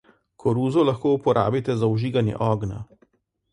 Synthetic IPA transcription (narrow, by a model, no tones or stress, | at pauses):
kʰɔɾuːzɔlɐxkoːupɔɾʔa̰ːbit̪ɛzauʒiːɡanjɛ̰ʔɔːɡna̰